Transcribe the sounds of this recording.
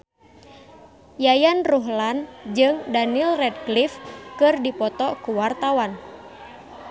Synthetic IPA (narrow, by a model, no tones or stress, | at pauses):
jajanruɦland͡ʒɨŋdanilrɛd̚klifkɨrdipɔt̪ɔkuwart̪awan